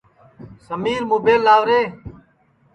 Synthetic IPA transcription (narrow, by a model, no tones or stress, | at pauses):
səmiːɾmuːbeːlːaːʋɾeː